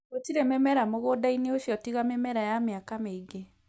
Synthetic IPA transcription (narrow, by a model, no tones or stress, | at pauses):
otiɾɛmɛmɛɾamoɣodaineoɕjɔtiɣamɛmɛɾajameakameiɡe